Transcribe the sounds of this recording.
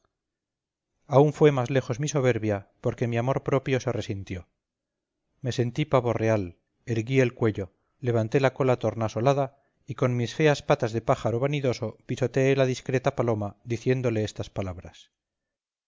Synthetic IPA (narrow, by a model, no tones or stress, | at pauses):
auɱfwe̞mazle̞χo̞zmiso̞β̞e̞ɾβjapo̞ɾke̞miamo̞ɾpɾo̞pjo̞se̞re̞sint̪jo̞ | me̞se̞nt̪ipaβo̞re̞al | eɾɣie̞lkwe̞ʎo̞ː | e̞β̞ant̪e̞lako̞lat̪o̞ɾnaso̞laða | iko̞nmisfe̞aspat̪azðe̞paχaɾo̞βaniðo̞so̞piso̞t̪eelaðiskɾe̞t̪apalo̞mad̪iθje̞nd̪o̞le̞est̪aspalaβɾas